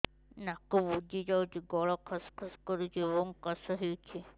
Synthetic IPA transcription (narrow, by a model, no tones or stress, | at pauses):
nakɔbud͡ʒid͡ʒawt͡ʃiɡɔɭɔkʰɔskʰɔskɔɾut͡ʃebɔŋkɔsɔɦet͡ʃʰe